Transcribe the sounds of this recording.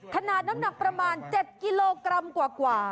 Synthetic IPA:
kʰa˧naː˨˩t̪̚na˦˥mna˨˩k̚pɾa˧maː˧nt͡ɕe˨˩t̪̚ki˧˥loː˧kɾa˧mkwaː˨˩kwaː˨˩

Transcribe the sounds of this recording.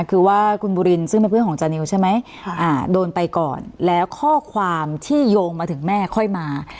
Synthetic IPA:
kʰɯː˧waː˥˩kʰu˧nbuː˧ɾi˧nsɯ˥˩ŋpe˧npʰɯ˥˩˨kʰɔː˩˦ŋt͡ɕaː˧ni˧wt͡ɕʰa˥˩jma˦˥j | ʔaː˨˩doː˧npa˧jkɔ̰ː˨˩nlɛː˦˥wkʰɔː˥˩kʰwaː˧mt̪ʰiː˥˩joː˧ŋmaː˧t̪ʰɯ˨˩˦mɛː˥˩kʰɔ˥˩jmaː˧

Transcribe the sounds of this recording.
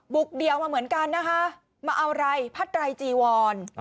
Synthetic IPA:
bu˨˩k̚di˨˩əwmaː˧mɯ˩˦ənka˧nːa˦˥kʰa˦˥ | maː˧ʔa˧wɾa˧jpʰa˦˥t̪̚ɾa˧jt͡ɕiː˧˩wɔː˧n

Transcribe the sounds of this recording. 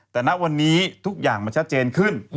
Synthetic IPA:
t̪ɛː˨˩na˦˥ʔwa˧nːiː˦˥t̪ʰu˦˥k̚jaː˨˩ŋmaː˧t͡ɕʰa˦˥t̪̚t͡ɕeː˧nkʰɯ˥˩n

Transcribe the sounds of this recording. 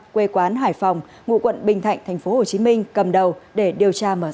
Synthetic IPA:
kwe˧kwaː˨˦nɦaː˧˩jfa˨˩wŋ͡m | ŋṵ˧˨kwə̰˧˨nɓï˨˩ŋ̟t̪ʰa̰˧˨jŋt̪ʰa˨˩jŋ̟fo˨˦ho˨˩t͡ɕi˨˦mï˧ŋ̟kə˨˩mɗə˨˩wɗe˧˩ɗi˨˩əwt͡ɕaː˧məː˧˩

